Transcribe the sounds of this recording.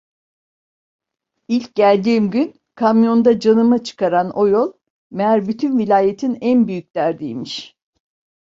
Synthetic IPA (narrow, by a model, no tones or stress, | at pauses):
ilʲc̚ɟælʲd̪iːmɟyn | kʰamjo̞nd̪ad͡ʒanɯmat͡ʃʰɯ̥kaɾano̞jolˠ | meæɾbyt̪ʰynvilʲaːjet̪ʰinænbyjyc̚d̪̥æɾd̪ḭːmiʃ